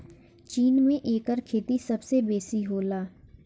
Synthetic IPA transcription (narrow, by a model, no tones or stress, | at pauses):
t͡ʃiːnmẽʔeːkəɾkʰeːt̪isɐbsebeːsiɦoːlaː